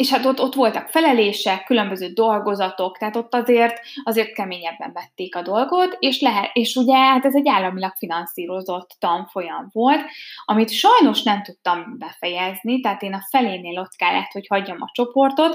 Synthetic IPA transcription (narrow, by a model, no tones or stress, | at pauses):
eːʃhat̪ot̪ːo̞t̪ʋo̞lt̪ɒkfɛlɛleːʃɛkːylømbø̞zøːd̪o̞lɡo̞zɒt̪o̞kt̪ɛɦaːt̪o̞t̪ːɒzeːrt̪ɒzeːrt̪̚kɛmeːɲɛbːɛɱvɛt̪ːeːkɒd̪o̞lɡo̞t̪eːʃlɛɦɛeːʃuɟɛhat̪ɛzɛɟːaːlːɒmilɒkfinɒnsiːɾo̞zo̞t̪ːɒɱfo̞jɒɱvo̞lt̪ɒmit̪ʃɒjno̞ʃnɛmt̪ut̪ːɒmbɛfɛjɛznit̪ɛɦaːt̪eːnɒfɛleːneːlo̞t̪kɛlːɛ̰ɦɛt̪ho̞chɒɟːɒmɒ̰t͡ʃo̞po̞rt̪o̞t̪